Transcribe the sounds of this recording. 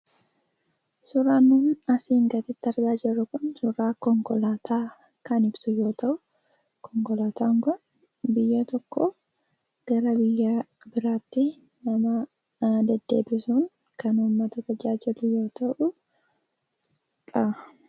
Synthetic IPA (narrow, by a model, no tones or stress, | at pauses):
sʊɾaːnːuːnɐsiːŋɡɐt̪ɪt̪ːɐɾd̪aːd͡ʒɪrːʊkʊnsʊɾaːkɔŋkɔlaːt̪ʰaː | kɐnɪbsʊjo̞ːt̪ɐʔʊ | kʰɔŋkɔlaːt̪aːŋkʊn | bɪjːɐt̪ɔkːɔ | ɡ̥ɐɾɐbɪjːa | bɪɾaːt̪ːɪ | nɐmɐ | d̪ɛd̪ːe̞ːbɪsuŋ | kɐnhʊmːɐt̪ɐt̪ɐd͡ʒaːd͡ʒɪlʊjo̞ːt̪ɐʔʊ | kʼɐ